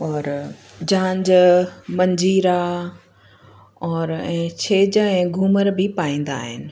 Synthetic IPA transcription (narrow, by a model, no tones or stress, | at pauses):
ɔːɾ | d͡ʑãːɲd͡ʑmɐ̃ɲd͡ʑiːɾa | ɔːɾɛ̃ːt͡ɕʰeːd͡ʑɛ̃ːɡʱuːməɾbʱɪpaːĩːnd̪a̰ːɦɪ̰nɪ̆